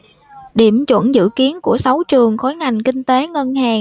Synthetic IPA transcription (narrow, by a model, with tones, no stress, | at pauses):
ɗi˧˩əmt͡ɕwə̰˧˩nzɨ̰˧˨ki˨˦ənku˧˩əsa˨˦wt͡ɕɨ˨˩əŋxo˨˦jŋa˨˩jŋ̟kï˧ŋ̟t̪e˨˦ŋə˧nhaː˨˩